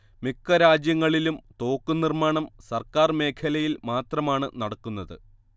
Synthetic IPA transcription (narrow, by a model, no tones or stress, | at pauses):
mikːɐɾaːd͡ʑjɐŋːɐɭilumt̪o̞ːkːunirmaːɳɐmsɐrkaːrme̞ːkʰɐlɐjilmaːt̪rɐmaːɳɨnɐɽɐkːunːɐðɨ̰